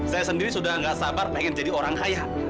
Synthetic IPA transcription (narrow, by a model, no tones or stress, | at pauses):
sajasəndiɾisudahŋɡaʔsabarpeŋɛnd͡ʒadioɾaŋkajaʔ